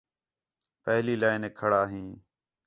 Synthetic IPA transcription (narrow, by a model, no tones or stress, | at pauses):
pəɦliːlaːɪneːkʰəɽaːɦĩː